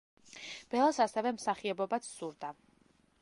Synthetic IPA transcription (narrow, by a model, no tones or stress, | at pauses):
b̥ɛlˠasasɛvɛmsaχiɛbɔbat̪sʰsuɾd̪a